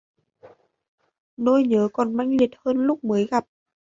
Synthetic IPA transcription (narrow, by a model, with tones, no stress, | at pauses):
no˧jɲəː˨˦kɔ˨˩nma˧jŋli˨˩ət̚həː˧nlʊ˦˥k͡p̚məː˨˦jɣa˨˩p̚